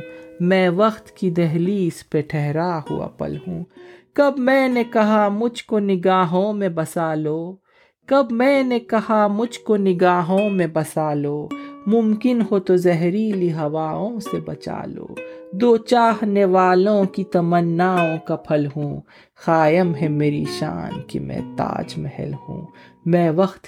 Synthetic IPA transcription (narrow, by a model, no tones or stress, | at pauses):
mɛ̃ːʋɐxt̪kid̪ɐɦliːspeʈʰɛɦɾahṵa̰pɐ̰lɦṵ̃ːkɐbmɛ̃ːnekɐɦamʊd͡ʒʱkonɪɡaːɦõmẽbɐsaːloː | kɐbmɛ̃ːnekɐɦamʊd͡ʒʱkonɪɡaːɦõmẽbɐsaːloːmʊmkɪnɦot̪ozɛɦɾiliɦɐʋaːõsebɐt͡ʃa̰ːlo̰ːd̪oːt͡ʃaːɦneʋaːlõkit̪ɐmənːaːõkɐpʰəlɦũː | xaːjəmɦɛmeːɾḭʃa̰ːnkḭmɛ̰̃t̪a̰ːd͡ʒmɛɦɛ̰lɦṵ̃ː | mɛ̃ːʋɐxt̪